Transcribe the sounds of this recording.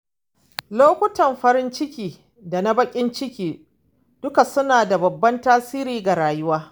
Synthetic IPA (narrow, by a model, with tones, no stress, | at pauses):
loː˦kʷʊ˦tɐ˨mɸɐ˦ɾɪ˦nt͡ʃɪ˦kʲiː˨ | da˨na˦bɐ˦kʲʼɪ˦nt͡ʃɪ˦kʲiː˨ | d̥ʊ˦ka˨sʊ˦naː˨da˨bɐ˨bːɐ˦ntaː˦siː˦ɾiː˦ɡa˨ɾaː˨jʊ˦waː˦